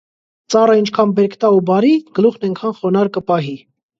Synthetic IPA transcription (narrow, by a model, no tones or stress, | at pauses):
t͡sɑrəint͡ʃʰkʰɑnbɛɾkʰt̪ɑubɑɾiɡ̥əluχnɛŋkʰɑnχɔnɑɾkəpɑɦi